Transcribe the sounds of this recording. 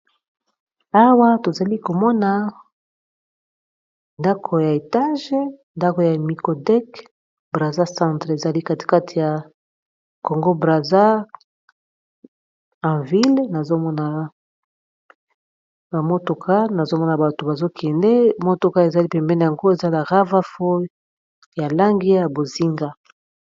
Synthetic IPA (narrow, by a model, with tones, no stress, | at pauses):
a˦wa˦to˨za˨li˦ko˨mɔ˦na˨ | nda˦kʰo˨ja˨e˨ta˦ʒe˦nda˦ko˨ja˨mi˨ko˨dɛ˦k | bʁa˨za˦sã˦tʁe˨za˨li˦ka˦ti̥˨ka˦tʰi˨ja˨ | ko˨ŋɡo˦bʁa˨za˦ | ã˨vi˦lna˨zo˦mɔ˦na˨ | ba˨mo˦to˨kʰa˦na˨zo˦mɔ˦na˨ba˨to˨ba˨zo˦kʰɛ˨ndɛ˦mo˦to˨ka˦e˨za˨li˦pɛ˨mbɛ˦ne˨ja˨ŋɡo˦e˨za˦la˨ʁa˦va˦fo˦ | ja˨la˦ŋɡi˦˨a˨bo˨zi˦ŋɡa˦